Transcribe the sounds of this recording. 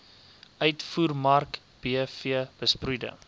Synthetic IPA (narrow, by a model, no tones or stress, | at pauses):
œɥtfuːrmɐrk | b̥iəfiəb̥əsprujdə̰